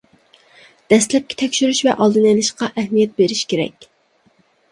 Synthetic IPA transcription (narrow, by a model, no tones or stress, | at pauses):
d̪̥ɛst̪lɛp̚kʲʰɛ̥t̪ʰɛkʲʃyɾyʃvɛʔɑlˠd̪ɨnɛlɪʃqɑʔɛhmijɛt̪̚beɾɪʃkʲeɾɛ̰kʲ